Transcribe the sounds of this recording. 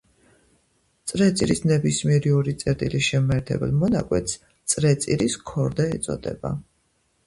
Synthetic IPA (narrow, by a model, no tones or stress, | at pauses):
t̪sʼɾɛt̪sʼiɾisnɛbismiɛɾiɔɾit̪sʼɛɾt̪ʼilisʃɛmɛɾt̪ʰɛ̰bɛ̰lˠmɔnakʼwɛt̪ʰs | t̪sʼɾɛt̪sʼiɾiskʰɔɾd̪ɛɛt̪sʼɔ̰d̪ɛ̰ba̰